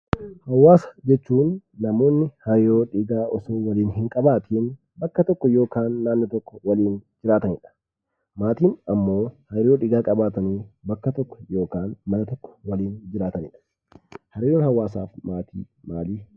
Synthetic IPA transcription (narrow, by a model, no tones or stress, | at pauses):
hɐwːaːsɐ̥d͡ʒɛt͡ʃːuːnːɐmo̞ːnːɪhɐɾɪɾoːᶑɪɡaːʔɔsoːwɐliːnhɪŋkʼɐbaːt̪ʰiːn | bɐkːɐt̪ɔkːɔjo̞ːkaːnːaːnːɪt̪ɔkːɔwɐliːnd͡ʒɪɾaːt̪ɐnɪᶑɐ̥ | maːt̪iːnɐmːo̞ːhɐɾɾɪɾoːᶑɪɡaːkʼɐbaːt̪ɐneːbɐkːɐt̪ɔkːɔ̥jo̞ːkaːnmɐnɐt̪ɔkːɔ̥wɐliːnd͡ʒɪɾaːt̪ɐnɪᶑɐ̥ | hɐɾɪɾoːnhɐwːaːsa̰ːfmaːt̪ʰḭː | maːliː